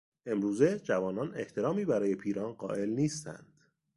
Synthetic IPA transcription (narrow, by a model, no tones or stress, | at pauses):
ʔe̞mɾuːze̞d͡ʒævɒːnɒːne̞̰ht̪ʰe̞ɾɒːmiːbæɾɒːje̞pʰiːɾɒːnɢɒ̰ːʔe̞lniːst̪ʰæ̰nd̪̥